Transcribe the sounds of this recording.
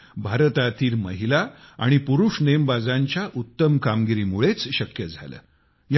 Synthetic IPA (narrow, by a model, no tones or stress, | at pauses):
bʱaɾət̪at̪iːɾmə̰ɦilaaɽ̃ipuɾuʂnejəmbad͡zaɲt͡ɕjaʔut̪ːəmkamɡiɾiːmuɭet͡sɕəkjəd͡zʱa̰lə̰ː | j